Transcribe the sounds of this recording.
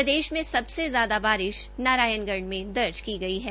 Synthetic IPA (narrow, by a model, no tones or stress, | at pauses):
ɐd̪eːʃmẽsɐbsezjaːd̪abaːɾɪʃnaːɾaːjənɡɐɾɳmẽd̪ɐɾd͡ʒkiɡɐiɦɛː